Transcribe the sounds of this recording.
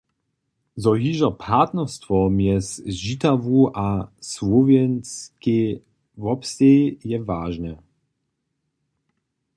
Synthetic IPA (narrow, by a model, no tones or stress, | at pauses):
zɔɦiʒɐpʰat̪nɛʁst̪vɔmjɛsʒit̪avuʔasvɔvjɛnt͡ske | vɔpsejɛvaːʒnɛ